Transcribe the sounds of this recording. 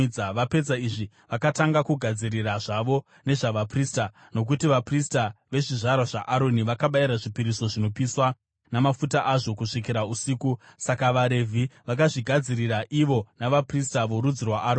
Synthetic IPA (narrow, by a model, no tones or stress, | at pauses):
aʋape̞d͡zaiʐi | ʋakataŋɡakuɡʱad͡ziriraʐaʋo̞ | ne̞ʐaʋapriːsta | no̞k̬utiʋapristaʋe̞ʐiʐaɾwaʐaʔaɾo̞niʋakaɓaiɾaʐipiɾiso̞ʐino̞piswa | namafutaʔaʐo̞kuʂik̬iɾausiːkusakaʋaɾe̞vʱiʋakaʐiɡʱad͡ziriraʔiʋo̞naʋapristaʋo̞ɾud͡zirwaʔaɾo